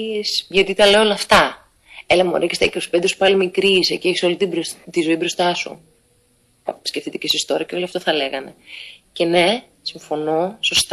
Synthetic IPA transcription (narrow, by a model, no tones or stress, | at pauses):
sʝɐt̪it̪ɐle̞oolɐft̪ɐ | elɐmo̰ɾekesḛkeospend̪esu̥pɐlimikɾisecie̞çiso̞lit̪ibt̪izo̞ibɾo̞st̪ɐsṵ | sce̞fθit̪e̥ce̞sist̪o̞ɾɐceo̞liɐft̪oθɐle̞ɣɐne̞̰ce̞ne̞ | siɱfo̞no̞so̞st̪